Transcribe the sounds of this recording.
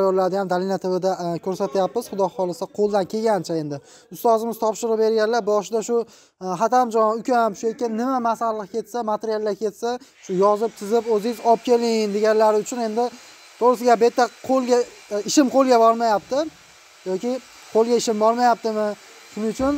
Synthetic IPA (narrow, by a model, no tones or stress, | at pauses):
jɒɾlaɾd̪ajamd̪alinat̪ʰɪbɪd̪akʲʰɵɾsat̪ʰajapːɪz̥χʊd̪ɒːɒlˠɪsqʰolˠd̪ankʲʰe̞ɡʲant͡ʃʰae̞nd̪ɪ | ʊst̪ɒzɪmɪz̥t̪ʰɒpʃɪɾɨbe̞ɾɡʲanlaɾbɒʃɪd̪aʃʊ | ɦat̪ʰamd͡ʒɒnʊkʲʰamʃʊjekʲːɪnnɪmamasallˠɨqkʲʰe̞t̪samat̪ʰeɾijalˠːakʲʰe̞t̪sa | ʃʊjɒzɪp̚t̪ʰɪzɪpɵzɪjzɒp̚kʲe̞lɪnd̪e̞ɡʲanlaɾɪʊt͡ʃʰʊne̞nd̪ɪ | t̪ʰoɾɪsɪɡʲabet̪ːaqʰolˠɡʲa | ɪʃɪmqʰolˠɡʲabɒɾmajap̚t̪ɪ | jɒkʲɪ | qʰolˠɡʲaɪʃɪmbɒɾmajap̚t̪ɪmɪ | ʃʊnɪʊt͡ʃʰʊn